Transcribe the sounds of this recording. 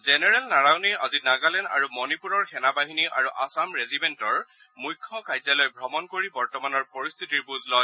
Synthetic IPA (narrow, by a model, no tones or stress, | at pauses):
zɛnɛɹɛlnaɹawnia̰zinaɡalɛna̰ɹumɔnipuɹɔɹxɛnabaɦiniʔa̰ɹuʔasamɹezibɛntɔɹ | mujkʰːɔkajzalɔjbʱɹɔmɔnkoɹibɔɹtɔmanɔɹpɔɹist̪ʰitiɹbuzlɔj